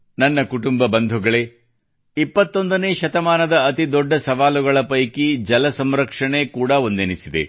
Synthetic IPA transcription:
nɐnːɐkuʈumbɐbɐnd̪ʱuɡɐɭe̞ | ipːɐt̪ːo̞nd̪ɐne̞ːʃɐt̪ɐmaːnɐd̪ɐːt̪id̪ɔɖːɐsɐʋaːluɡɐɭɐpɐjkid͡ʒɐlɐsɐmɾɐkʂɐɳe̞kuːɽɐo̞nd̪enisid̪ḛ

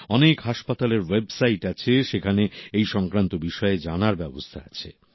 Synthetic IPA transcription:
ɔnekɦaʃpat̪aleɾwebsajʈat͡ɕʰeʃekʰaneejʃɔŋkɾant̪obiʃɔed͡ʑanaɾbɛbo̰st̪ʰaa̰t͡ɕʰḛ

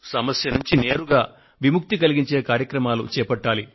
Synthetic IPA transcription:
sɐmɐsjɐnuɲt͡ʃine̞ːɾuɡaː | ʋimuk̚t̪ikɐliɡiɲt͡ʃe̞ːkaːɾjɐkɾɐmaːlṵt͡ʃɛːpɐʈːaːli

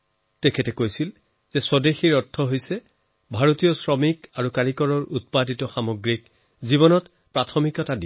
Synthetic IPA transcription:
tɛkʰɛtɛkojsil | zɛsɔdexiɹɔtʰːɔɦojsɛ | bʱaɹotijɔsɹɔmikaɹukaɹikɔɹɔɹut̚paditɔxamoɡɹik | ziβɔnɔt | pɹatʰɔmikɔtadi

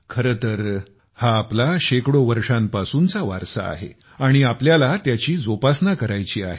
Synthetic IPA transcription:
kʰəɾət̪əɾ | haːplaɕekɽoʋəɾʂãmpasuːnt͡saʋa̰ɾsa̰a̰ɦḛ | aɽ̃iapljalat̪jat͡ɕiːd͡zopasnakəɾajt͡ɕiːa̰ɦe

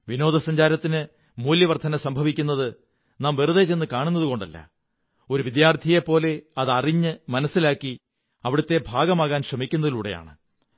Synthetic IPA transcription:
ʋino̞ːd̪ʱɐsɐɲd͡ʑaːɾɐt̪ːinɨ | muːljɐʋɐrt̪ʰːɐnɐsɐmbʱɐʋikʲːunːɐðɨ | naːmʋiruðet͡ɕenːɨkaːɳunːɐðuko̞ɳɖɐlːɐ̰ | o̞ɾuʋid̪jaːrt̪ʰije̞pːo̞ːle̞ɐðɐriɲːɨmɐnɐsːilaːkːi | ɐʋiɽɐt̪ːe̞bʱaːɡɐmaːɣaːnɕrɐmikʲːunːɐðiluːɽe̞ja̰ːɳɨ

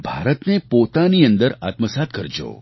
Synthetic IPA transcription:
bʱaɾət̪nepot̪aniənd̪əɾa̰t̪məsat̪̚kəɾd͡ʒo̰

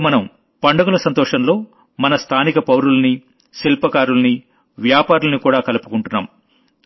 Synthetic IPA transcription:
mɐnɐm | pɐɳɖɐɡulɐsɐnt̪ɔːʂɐnlo̞ː | mɐnɐst̪ʰaːnikɐpɐwɾulɐni | silpɐkaːɾulɐni | ʋjaːpaːɾulɐnikuːɽaːkɐlɐpukuɳʈunːa̰ːm

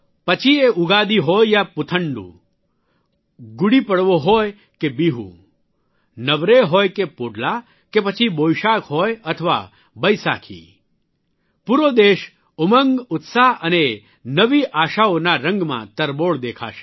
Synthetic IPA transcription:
pət͡ʃʰieʊɡad̪iɦojjapʊt̪ʰəɳɖṵ̃ | ɡuɽipəɽʋoɦoj | kebiɦṵ̃ | nəʋɾeɦojkepoɖla | kepət͡ʃʰibojʃakɦojət̪ʰəʋa̰ | bəjsa̰kʰḭ | puɾod̪eʃ | ʊməŋɡʊt̪saʔəne | nəʋiʔaːʃaonaɾə̃ŋɡmã̰t̪əɾboɭd̪ekʰa̰ʃe̥

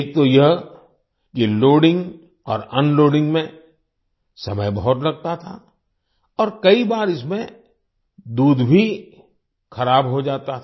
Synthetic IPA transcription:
ek̚t̪ojɐɦ | kiloːɖɪ̃ŋɡ | ɔ̰ːɾənloːɖɪ̃ŋɡmẽ | sɐməjbɐɦʊt̪lɐɡ̚t̪at̪ʰa | ɔːɾkɐibaːɾɪsmẽ | d̪uːd̪bʱi | xɐɾaːbɦod͡ʒaːt̪at̪ʰː

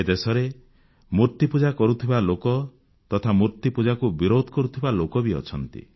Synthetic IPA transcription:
ed̪esɔɾe | muɾt̪ipud͡ʒakɔɾut̪ʰibalokɔ | t̪ɔt̪ʰamuɾt̪ipud͡ʒakubiɾod̪ʱɔkɔɾut̪ʰibalokɔbiɔ̰t͡ʃʰɔnt̪ḭ

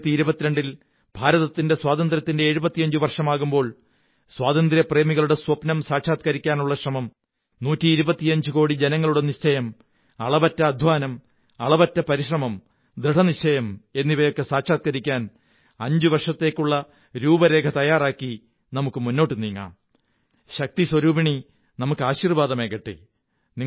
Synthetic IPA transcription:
t̪ːiiɾubɐt̪ːiɾɐɳɖil | b̥ʱaːɾɐðɐt̪ːinde̞swaːd̪ɐnd̪ɾʲjɐt̪ːindeeːɻubɐt̪ːijɐɲd͡ʑuʋɐrʂɐmaːɣumbo̞ːɭ | swaːðɐnd̪ɾiɐpre̞ːmiɣɐɭuɽe̞swɐpnɐmsaːkʂaːt̪̚kɐɾikʲːaːnuɭːɐɕrɐmɐm | nuːtːiːɾubɐt̪ːiɐɲd͡ʑuko̞ːɽid͡ʑe̞nɐŋːɐɭuɽe̞niɕt͡ɕɐjɐm | ɐɭɐbɐtːɐːd̪ʱʋaːnɐm | ɐɭɐbɐtːɐpɐɾiɕrɐmɐm | d̪ɾiʈɐniɕt͡ɕɐjɐme̞nːiʋɐjo̞kːe̞saːkʂaːt̪̚kɐɾikʲːaːn | ɐɲd͡ʑuʋɐrʂɐt̪ːe̞ːkːuɭːɐ | ɾuːbɐɾe̞ːkʰɐt̪ɐjaːraːkːi | nɐmukːɨmunːo̞ːʈːɨniːŋːa̰ːm | ɕɐk̚t̪iswɐɾuːbiɳi | nɐmukːɨaːɕirʋaːd̪ɐmekːɐʈːɨ̰ | ni

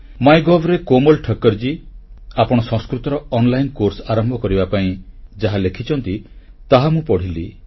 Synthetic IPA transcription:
majɡɔbɾekomɔlʈʰəkːɔɾd͡ʒiapɔɽ̃ɔsɔ̃skɾut̪ɔɾɔɔnlajnkoɾsɔaɾɔmbʱɔkɔɾibapaĩd͡ʒaɦalekʰit͡ʃʰɔnt̪i | t̪aɦamũpɔɽ̤ili

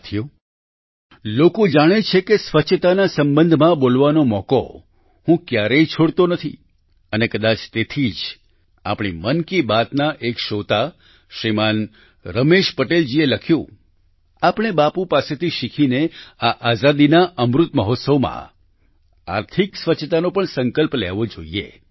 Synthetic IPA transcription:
t̪ʰijo | lokod͡ʒaɽ̃et͡ʃʰekesʋət͡ʃʰət̪anasəmbənd̪ʱmãbolʋanomɔko̰ | hũkjaɾeit͡ʃʰoɽt̪onət̪ʰḭ | ənekəd̪at͡ʃt̪et̪ʰid͡ʒ | a̰pɽ̃imənkibat̪naʔekʃot̪a | ʃɾiman | ɾəmeʃpəʈeld͡ʒieləkʰjũ | apɳ̃ebapũpaset̪ʰiʃikʰineaʔazad̪inaʔəmɾut̪məɦot̪səʋmã̰ | a̰ɾt̪ʰiksʋət͡ʃʰt̪anopəɳsə̃ŋkəlplɛ̰ʋod͡ʒo̰iḛ

